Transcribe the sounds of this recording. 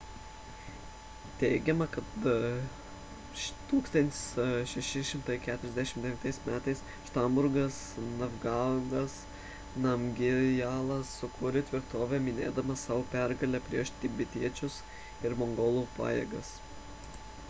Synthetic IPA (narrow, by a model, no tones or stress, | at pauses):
t̪ʲɛɪɡʲɛmɐkɐt̪ | t̪uːkst̪ɐnʲt̪ʲɪsʃʲɛʃʲɪʃʲɪmt̪ɐɪkʲæːt̪ʊɾʲɛzd̪ʲæʃʲɪmd̪ʲɛʋʲnt̪ɐɪsmʲæːt̪ɐɪs | ʃt̪ɐmbʊɾɡɐs | nɐʋɡɑɡɐs | nɐmɡʲɪjɑːlˠɐsːʊkʰʊɾʲɪt̪ʲʋʲɪɾt̪oːʋʲɛmʲɪnʲeːd̪ɐmɐsɑːʋoːpʲæɾɡɐlʲɛpʲɾʲiɛʃt̪ʲɪbʲɪt̪ʲiɛt͡ʃʲʊs | ɪɾmoŋɡoːlˠuːpɑ̰ːjḛːɡɐs